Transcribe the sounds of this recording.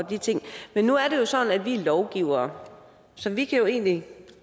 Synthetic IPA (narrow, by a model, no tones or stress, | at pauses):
ɒd̥it͡sʰe̝ŋ̰menːuæɐɾe̝jo̝sɒ̽d̥n̩æd̥ʋilɒʊɡ̥iʊ̰ɐ | sɒ̽ʋikʰæjo̝e̝ːnli